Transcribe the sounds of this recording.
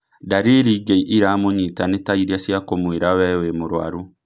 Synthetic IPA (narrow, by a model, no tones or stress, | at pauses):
daɾeɾiɡeiʔiɾamoɲitanetaiɾiasiakomweɾawɛwemoɾwa̰ɾu